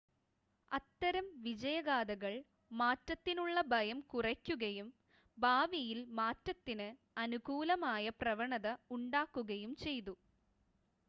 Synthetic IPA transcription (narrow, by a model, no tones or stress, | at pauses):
ɐt̪ːɐɾɐmʋid͡ʑɐjɐɣaːd̪ɐɣɐɭ | maːtːɐt̪ːinuɭːɐbʱɐjɐmkurɐkʲːuɣɐjum | baːʋijilmaːtːɐt̪ːinɨ | ɐnuɣuːlɐmaːjɐprɐʋɐɳɐðɐuɳɖaːkːuɣɐjumt͡ɕe̞jt̪u